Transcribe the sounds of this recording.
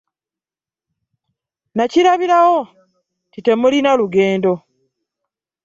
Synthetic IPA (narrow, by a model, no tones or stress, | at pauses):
nacilaβiɾawo | tite̞mulinaluɡe̞ːndo̞